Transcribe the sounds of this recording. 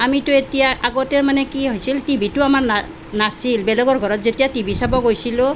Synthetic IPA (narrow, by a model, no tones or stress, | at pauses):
amitʊetijaʔaɡɔtɛɹmanɛkiɦojsiltibitʊamaɹna | nasilbɛlɔɡɔɹɡʱɔɹɔtzetijatibisabɔɡojsilʊ